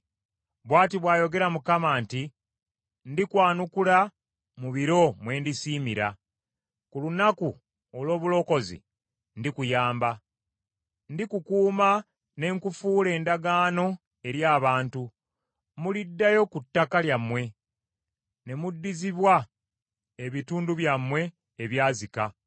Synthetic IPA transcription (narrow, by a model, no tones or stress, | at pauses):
βwaːtiβwaːjo̞ɡe̞ɾamukamaːnti | ndikwaːnukula | muβiɾo̞mwe̞ːndisiːmiɾa̰ | kulunaku | olwo̞ːβulo̞ko̞zḭ | ndikujaːmba | ndikukuːma | ne̞ŋkufuːle̞ːndaɡaːno̞ | e̞ɾjaːβaːntu | mulidːajo̞kutːakaljamwe̞ | ne̞mudːiziβwa | eβituːnduβjamwe̞ː | βjaːzika